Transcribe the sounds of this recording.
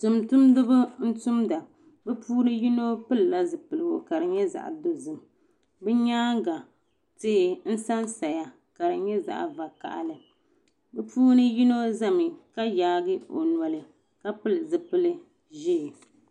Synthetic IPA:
tʊ˨mtʊ˦mdɨ˦bʊ˦n̩˦tʊ˦mda˨ | bɨ˦puː˦nɨ˦ji˦no˦pɨ˦lɨ˨la˦zɨ˨pɨ˨lɨ˨o̰˨ka˨ɾɨ˨ɲɛ˦za̰˨ʔdo˦zɨ˨m | bɛ˦ɲaː˦ŋ˦ɡa˨ | tɪ˦hɪ˦n̩˦sa˦nsa˨ja˨ | ka˨ɾɨ˨ɲɛ˦za̰˨ʔa̰˨va˨ka̰˨ʔa̰˨lɨ˨ | bɛ˦puː˦nɨ˦ji˦no˦za˦mɨ˨ka˦jaː˨˦ɡɨ˦o̰˨nwa˨lɨ˨ | ka˦pɨ˦lɨ˨zɨ˨pɨ˦lɨ˦ | ʒe˦˨

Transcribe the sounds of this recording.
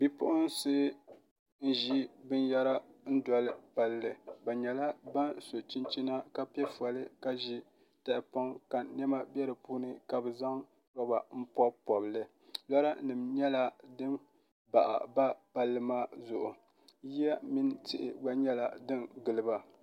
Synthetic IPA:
bi˦pʊ˦ʔʊ˦n˦sɨː˦ | n̩˦ʒi˦bɨ˦nja˦ɾa˦n̩˦dɔ˨˦lɨ˦pa˦lːɨ˨ba˨ɲɛ˨la˦ba˦nso˨t͡ʃi˦nt͡ʃi˦na˦ka˦pɛ˦fu˨a˨lɨ˦ka˦ʒi˦ | ta˨ʔɪ˨pɔ˦ŋka˨nɛ˦ma˦bɛ˦ɾɨ˨puː˦nɨ˦ka˨bɨ˨za˦ŋ | ɾɔ˦ba˨m̩˦pɔ˦pɔ˨blɨ˦ | la˦ɾa˦nɨ˨mɲɛ˦la˦dɨ˦n | ba˨ʔa̰˨ba˦pa˦lːɨ˦maː˦zʊ˨ʔʊ˨ | ji˦a˦mi˦n˦tʰɪ˨ʔɪ̰˨ba˦ɲɛ˦la˨dɨ˦nɡɨ˨lɨ˦ba˨

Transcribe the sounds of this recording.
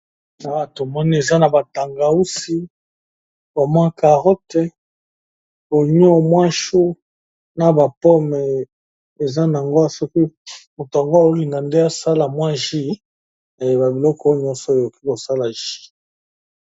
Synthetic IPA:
a˨˦˨to˨mɔ˦ni˦e˨za˦na˨ba˨ta˨ŋɡa˨u˦si˦ | bo˨mwa˦ka˨ʁɔ˦tɛ˦ | o˨ɲ˦ɔ˦mwa˦ʃu˦ | na˨ba˨pɔ˦mɛ˨ | e˨za˦na˨a˨ŋɡo˦a˦˨sɔ˦ki˦mo˨to˨a˨ŋɡo˦a˦˨o˦li˨ŋɡa˨nde˦a˦sa˦la˨mwa˦ʒi˦˨ | e˨ba˨bi˨lɔ˦kɔ˦ɲɔ̃˦nsɔ˨e˨o˨ki˦ko˨sa˦la˨ʒi̥˦

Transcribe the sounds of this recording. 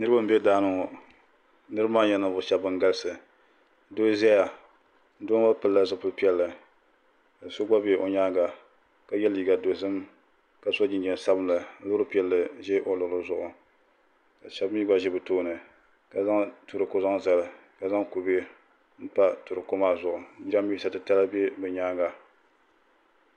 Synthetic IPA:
nɨ˦ɾɨ˦ba˦m̩˦bɛ˦daː˦nɨ˨ŋɔ˨ | nɨ˦ɾɨ˦maː˦ɲɛ˦na˨bʊ˨ʃɛ˨bɨ˨ŋ˦ɡa˦lsɨ˨˦ | do˦zɛ˦ja˨ | n̩˦do˦a˦pɨ˨lːa˦zɨ˦pʊ˦lpi˦ɛ˦lːɨ˨ | ka˨so˦ɡ͡ba˦be˨ʔo˨ɲaː˦ŋɡa˨ | ka˨jɛ˦li˨ɡa˨do˨zɨ˦m | ka˨so˦d͡ʒɪ˨nd͡ʒɛ˨n˨sa˦bɨ˦mla˨˦lʊ˦ɾɨ˦pi˦ɛ˨lːɨ˨ʒɛ˦ʔo˨lʊ˨lɨ˦zʊ˨ʔʊ˨ | ka˨ʃa˨bɨ˦mi˦ɡa˦ʒɛ˦bɨ˨toː˦˨nɨ˨ | ka˨za˦ŋtu˨ɾɨ˨ko˦za˦ŋza˨lɨ˨ | ka˨za˦ŋku˨be˦ | n̩˦pa˦tu˨ɾɨ˨ko˦maː˦zʊ˨ʔʊ˨˦d͡ʒi˦ɾa˦m˦bi˦sa˨tɨ˨ta˦la˦be˦bɨ˨ɲaː˦ŋɡa˨

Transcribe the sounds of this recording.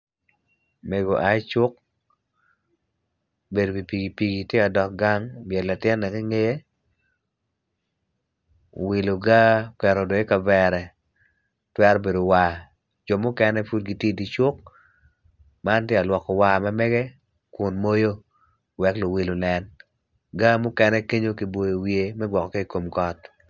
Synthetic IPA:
me˨ɡo˨ʔa˨˦t͡ʃʊ˦k̚ | be˨do˨bi˨pi˨ɡi˨pi˨ɡi˨tje˦a˨dɔ˨k̚ɡa˦ŋbjɛ˨nla˨tɪ˦nːɛ˨ki˦ŋe˦je˦ | wi˨lu˨ɡa˦kɛ˨ɾɔ˨do˨ɪ˦ka˨bɛ˦ɾɛ˨ | twɛ˦ɾbe˨do˨wa˨ | d͡ʒɔ˨mʊ˦kɛ˦nɛ˦fu˦t̚ɡi˦tje˦di˨t͡ʃʊ˦k̚ | ma˦ntje˦a˨lwɔ˨kɔ˨wa˨ma˦mɛ˦ɡɛ˦ | kʊ˨nmo˦jo˦ | wɛ˨klo˨wi˨lo˨nɛ˨n | ɡa˦mʊ˦kɛ˦nɛ˦ke˦ɲo˦ki˨bo˨jo˨wje˨mɛ˦ɡwɔ˨kɔ˨ke˦i˨ko˨mkɔ˦t

